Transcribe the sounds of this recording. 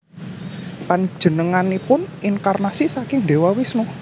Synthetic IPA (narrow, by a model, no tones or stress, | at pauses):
paɲd͡ʒə̤nəŋanipʊnʔinkarnasisakɪŋde̤wawɪsnʊ